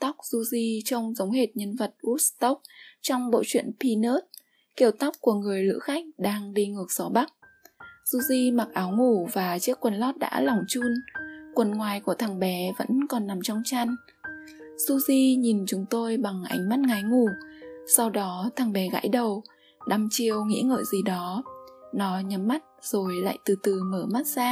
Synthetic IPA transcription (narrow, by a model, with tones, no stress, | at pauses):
t̪a˦˥wk͡p̚z̥u˧zi˧t͡ɕə˧wŋ͡mzə˨˦wŋ͡mɦe˨˩t̚ɲə˧nvə˨˩t̚ʔu˦˥t̚st̪ə˦˥wk͡p̚t͡ɕɔ˧wŋ͡mɓo̰˧˨t͡ɕwḭ˧˨ənpi˧nə˦˥t̚ | ki˧˩əwt̪a˦˥wk͡p̚ku˧˩əŋɨ˨˩əjlɨ̰˧˥xa˦˥jk̟̚ɗaː˧ŋɗi˧ŋɨ˨˩ək̚z̥ɔ˨˦ɓa˦˥k̚ | z̥u˧zi˧ma˨˩k̚ʔaː˨˦wŋu˧˩vaː˨˩t͡ɕi˦˥əkːwə˨˩nlɔ˦˥t̚ɗa̰ː˧˥lɔ˨˩wŋ͡mt͡ɕu˧nkwə˨˩nŋwaː˨˩jku˧˩ət̪ʰaː˨˩ŋɓɛ˨˦və̰˧˥nkɔ˨˩nːa˨˩mt͡ɕɔ˧wŋ͡mt͡ɕa˧n | su˧zi˧ɲi˨˩nt͡ɕʊ˨˦ŋ͡mt̪o˧jɓa˨˩ŋʔa̰˨˦jŋ̟ma˦˥t̚ŋa˨˦jŋu˧˩sa˧wɗɔ˨˦t̪ʰa˨˩ŋɓɛ˨˦ɣa̰ː˧˥jɗə˨˩w | ɗa˧˩mt͡ɕi˧˨˩əwŋḭ˧˥ŋə̰ː˧˨jzi˨˩ɗɔ˨˦nɔ˨˦ɲə˨˦mːa˦˥t̚z̥o˨˩jla̰ː˧˨jt̪ɨ˨˩t̪ɨ˨˩məː˧˩ma˦˥t̚zaː˧